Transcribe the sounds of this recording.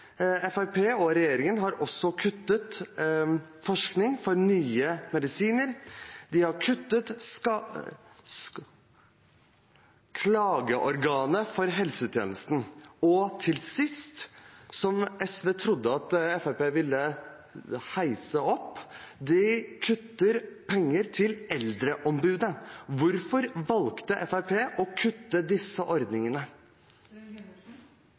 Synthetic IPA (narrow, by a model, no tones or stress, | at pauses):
ɛfæɪpʰeːɔɾɛjeːɾɪŋənɦɑɾʔɔsɔkʰʉt̪ːət̪ | fɔʂknɪŋfɔɾnyːəmɛd̪ɪsiːnəɾd̪ɪhɑɾkʰʉt̪ːət̪ | kʰlɑːɡəʔɔɾɡɑːnəfɔɾɦɛlsət̪ʰjḛːnəst̪n̩ɔt̪ʰɪlsɪst̪sɔmɛsʋeːt̪ʰɾʊd̪ːəɑt̪ɛfæpeːʋɪlːə | hæɪsəɔpːd̪ɪkʰʉt̪ːəɾpʰɛŋːəɾt̪ʰɪlɛld̪ɾəʔɔmbʉːd̪əʋʊɾfɔɾʋɑlkt̪əʔɛfæɪpʰeːʔɔkʰʉt̪ːəd̪ɪsːəʔɔɾd̪nɪŋənə